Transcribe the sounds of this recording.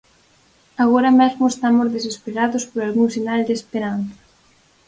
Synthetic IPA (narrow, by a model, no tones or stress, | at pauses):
aɣoɾɐmezmʊest̪amʊzðes̬espeɾaðʊspoɾalɣuŋsinald̪eːspeɾanθɐ̥